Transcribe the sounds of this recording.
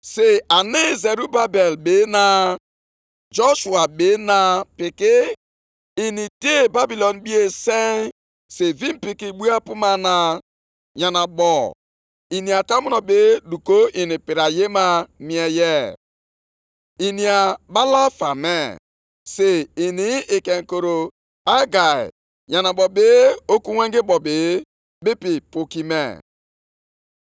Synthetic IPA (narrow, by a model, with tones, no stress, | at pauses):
se˦a˨ne˦ze˨ɾu˦ba˦be˨lbe˨˦na˨ | d͡ʒo˦ʃu˨a˨ɓe˨˦na˨pɪ˨kɪ˦ | i˨ni˨de˦ba˦bi˨lɔ˨nbi˦e˦se˦ | se˨vi˦m̩˦pi˨ki˨ɡ͡bu˦a˦pu˦ma˨na˨ | jɲa˨na˨ɓɔ˨ | i˨ni˨a˨ta˦mu˦nɔ˨be˨˦du˨ko˦ʔi˨ni˨pi˨ɾa˨je˦ma˦mi˨˦ɛ˨jɛ˦˨ | i˨ni˨a˨ba˦la˦fa˨me˦˨ | se˨i˨ni˦˨ke˨ŋ̩˨ko˨ɾo˨ | a˦ɡa˨ḭ˨ | ɲa˨na˨bɔ˨be˦o˦ku˦we˦ŋ˦ɡɪ˦bɔ˨bɪ˨ | bi˦pi˨po˨ki˨mḛ˨